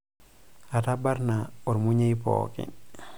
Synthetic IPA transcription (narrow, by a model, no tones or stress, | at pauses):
atabaɾnaoɾmuɲejpɔ̰ːkḭ